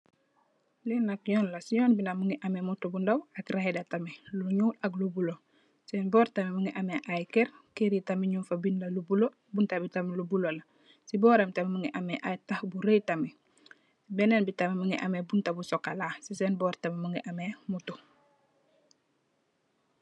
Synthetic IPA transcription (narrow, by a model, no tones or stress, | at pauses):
linak̚ɲɔːnlasiɲɔːnbinamuŋɡiʔamemutubundawɐkɾehedatamiluɲuːlɐklubulo | sɛːnbɔːɾtamimuŋiʔameʔajkɛɾkeɾitamiɲuːnfabindɐlubulo | buntabitamilubulolɐ | sibɔːɾamtamimuŋɡiʔameʔajtahbuɾejtami | sibɛnenbitamimuŋɡiʔa̰mebuntabusɔkːalaːsisɛːnbɔɾtamimuŋɡiʔamemutu